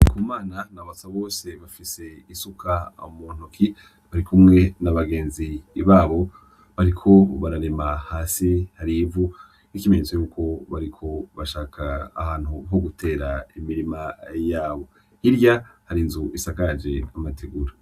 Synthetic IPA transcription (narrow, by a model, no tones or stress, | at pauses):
kʰumaːnanaβasaβo̞ːse̞βafise̞isukʰamuːn̥ukʰi | βaɾikʰumŋe̞naβaɡe̞ːnziβaːβo̞ | βaɾikʰo̞βaɾaɾemahaːsihaɾivu | nikimeɲzejuːkʰo̞βaɾikʰo̞βaʃaːkʰa̰ːhaːn̥huɦo̞ɡutʰe̞ːɾaimiɾimajaːβo̞ | iɾjahaɾinzuʔisaɡaɾd͡ʒe̞amatʰeɡuɾa